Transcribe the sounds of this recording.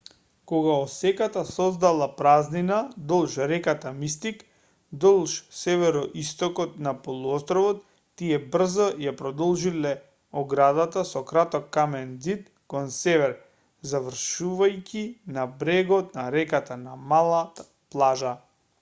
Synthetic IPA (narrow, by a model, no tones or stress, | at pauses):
kɔɡaɔsɛkat̪asɔzd̪alˠapɾazninad̪ɔlˠʃɾɛkat̪amist̪ik | d̪ɔlˠʃsɛvɛɾɔʔist̪ɔkɔt̪napɔlˠuɔst̪ɾɔvɔt̪ː | iɛbr̩zɔjapɾɔd̪ɔlˠʒilɛ | ɔɡɾad̪at̪asɔkɾat̪ɔkːamɛnzit̪ | kɔnsɛvɛɾ | zavr̩ʃuvajcʲinabɾɛɡɔt̪naɾɛkat̪anamalˠa | plˠaʒa